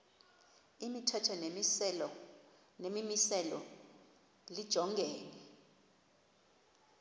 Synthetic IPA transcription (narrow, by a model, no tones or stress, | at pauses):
imitʰɛtʰɔnemisɛlɔ | nemimisɛlɔ̰ | lid̥ʒ̥ʱɔŋɡʱɛːnɛ